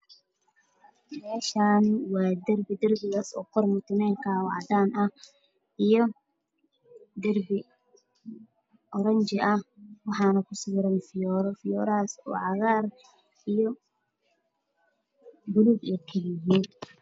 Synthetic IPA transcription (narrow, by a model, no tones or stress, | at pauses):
mɛːʃaːnwɑːd̪ɐrbɪd̪ɐrbɪɣaːsɔ̰ːqɔrmʊt̪ʰɪmɛːŋkʰawɑʕd̪aːnʔɐ | ijɔ | d̪ɐrbɪ | ʔɔɾɐɲt͡ʃɪʔɐhwɑħɑːnɐkʰʊsiːɾɐnfɪjɔːɾɔfɪjɔːɾːsɔ̰ːʕɑɣaːr | ijɔ | bʊlubɛkʰɐjɪɦiːn